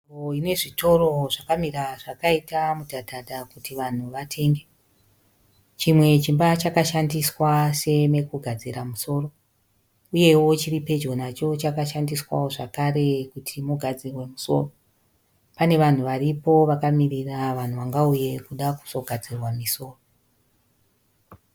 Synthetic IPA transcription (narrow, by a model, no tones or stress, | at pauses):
oine̞ʐito̞ro̞ʐakamiraʐakaitamudʱadʱadʱakutiʋan̤uʋatʰe̞ŋɡe̞ | t͡ʃimwe̞t͡ʃimbat͡ʃakaʃandiswase̞me̞kuɡʱad͡ziɾamuso̞ːro̞ | uje̞wo̞t͡ʃiripe̞d͡ʒɡo̞nat͡ʃo̞t͡ʃakaʃandiswa̰wo̞ʐa̰kare̞kutʰimuɡʱad͡zirwe̞muso̞̰ro̞ | pane̞ʋan̤uʋaripo̞ʋakamiriraʋan̤uʋaŋɡauje̞kuɗaku̥so̞ɡʱad͡zirwamiso̞ːro